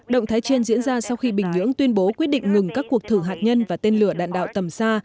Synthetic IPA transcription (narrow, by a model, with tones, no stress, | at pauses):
ɗə̰˧˨wŋ͡mt̪ʰaː˨˦jt͡ɕi˧ənzḭ˧˥nzaː˧sa˧wxi˧ɓï˨˩ŋ̟ɲɨ̰˧˥əŋt̪wi˧ənɓo˨˦kwi˦˥ət̚ɗḭ˧˨ŋ̟ŋɨ˨˩ŋkaː˦˥kːu˨˩ək̚t̪ʰɨ˧˨˩ɦaː˨˩t̚ɲə˧nvaː˨˩t̪e˧nlɨ˨˩əɗa̰ː˧˨nɗa̰ː˧˨wt̪ə˨˩msaː˧